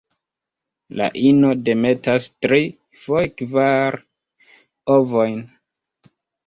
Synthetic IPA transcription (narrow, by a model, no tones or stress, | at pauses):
la̰ʔino̞de̞me̞tastɾi | fojkvaɾ | ovojn